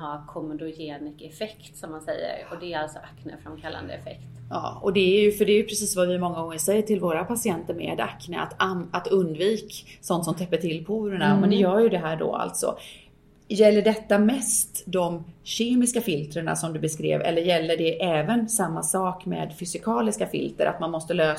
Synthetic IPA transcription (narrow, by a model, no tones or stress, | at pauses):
hakʰɔmʊd̪ʊjeːnɪkɛfɛkt̪sɔmːansɛjːə̰ɾɔd̪ɛæɾalt̪sɔʔakːnə̰fɾamkʰalːa̰nd̪ə̰ɛfɛ̰ktt̪jɑ̰ːɔd̪ɛæɾjɵfœɖɛːɾjɵpʰɾɛsiːsvavɪmɔŋːaɔːŋəsɛjːəʈʰɪlvoːɾapʰasɪɛnt̪əɾmɛ̰ːd̪a̰knəa̰t̪aat̪ɵnd̪viːksɔnt̪sɔmt̪ʰɛpːəʈʰɪlːpʰuːɾəɳamɛnd̪ɛjœːjɵd̪ɛɦæːɖɔ̰a̰lt̪sɔ̰ | jɛlːəɖɛt̪ːamɛst̪d̪ɔmɕeːmɪskafɪlt̪ɾəɳa̰sɔmd̪ɵbɛskɾḛːvɛ̰lːəɾjɛlːəɖɛʔɛːvənsamːasɑːkmḛːd̪fʏsɪkʰɑːlɪskafɪ̰lt̪əɾʔa̰t̪manmɔst̪əløː